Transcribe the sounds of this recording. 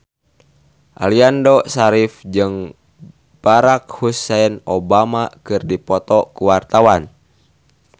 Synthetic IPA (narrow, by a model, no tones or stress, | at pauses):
ʔa̰liandɔsaɾifd͡ʒɨŋ | b̥aɾakhusɛɛnɔbamakɨrdipɔt̪ɔkuwart̪awan